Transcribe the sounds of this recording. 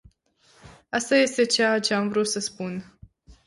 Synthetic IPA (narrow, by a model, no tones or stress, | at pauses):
ast̪aje̞st̪e̞t͡ʃeat͡ʃe̞amvɾut̪səspun